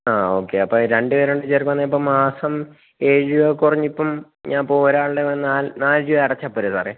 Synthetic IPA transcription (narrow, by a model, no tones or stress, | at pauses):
aːo̞ːkːe̞ɐpːoɾeɳɖɨʋeɾeɳɖɨt͡ɕerkːɐnːeip̬ːoːmaːsɐm | eːɻuʋɐkurɐɲːipːɐm | ɲaːnpːooɾaːɭɨɽenaːlnaːld͡ʑuʋɐɽɐt͡ɕːapːoːɾesaːre